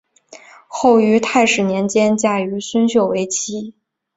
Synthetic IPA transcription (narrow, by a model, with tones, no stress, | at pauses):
xo˥˩ʊy˧˥t̪ʰa˥˩ɪʂɻ̩˨˩njɛ˧˥nt͡ɕjɛ˥nt͡ɕja˥y˧˥swə˥nɕjo˥˩ʊwe˧˥ɪt͡ɕʰi˧˥